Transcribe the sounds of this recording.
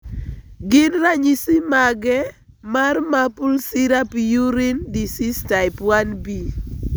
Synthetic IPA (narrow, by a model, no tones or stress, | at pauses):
ɡɪnraɲisimaɡɛ | marmapulsɪɾapijuɾɪndisistajɪpwanbi